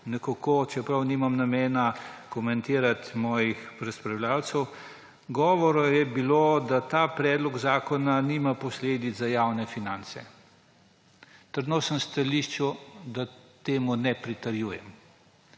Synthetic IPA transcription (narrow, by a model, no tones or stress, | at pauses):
nɛkakoːt͡ʃɛpɾɐwniːmamnameːnakɔmɛnt̪iːɾat̪mɔːjixpɾɛspɾɐwlʲaːwt̪səw | ɡɔːʋɔɾɔjɛbiloːd̪at̪aːpɾɛːd̪lɔɡzaːkɔnaniːmapɔsleːd̪izajawnɛfinaːnt̪sɛ̰ | t̪əɾd̪nosənst̪aliʃt͡ʃud̪at̪eːmunɛpɾit̪əɾjuːjɛ̰m